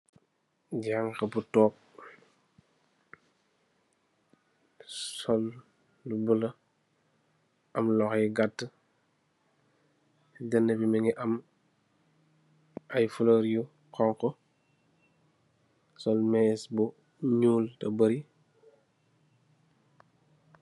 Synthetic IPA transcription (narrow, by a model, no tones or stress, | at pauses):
ɟaŋkɐbutɔːk̚ | sɔlː | ubulɐ | ɐmlɔxjiɡatːə | dənːəbimɛŋiʔɐm | ɐjfuloɾju | kɔŋkɔ | sɔlmɛːsbu | ɲuːltɐbɐɾi